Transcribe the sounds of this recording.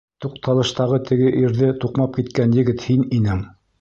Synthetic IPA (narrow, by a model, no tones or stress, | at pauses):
t̪uq̚t̪ʰɑlˠɤ̆ʃt̪ɑʁɤt̪ʰɘ̆ɡɘʔiɾðɘt̪uqmɑp̚kit̪kænjɘ̆ɡɘt̪hininɘŋ